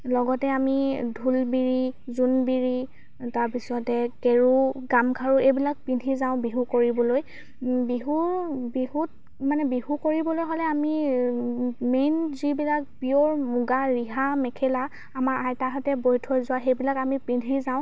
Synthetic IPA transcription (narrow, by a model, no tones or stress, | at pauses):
lɔɡɔtɛamidʱulbiɹizunbiɹi | taɹpisɔtɛkeɹuɡamkʰaɹuejbilak̚pindʱizaʊ̃biɦukoɹibɔloj | biɦubiɦut̚ | manɛbihukoɹibɔlojɦolɛami | menzibilak̚piɔɹmuɡaɹiɦamɛkʰɛla | amaɹʔajtaɦatɛbojtʰɔjzʊwaxejbilakamipindʱizaʊ̃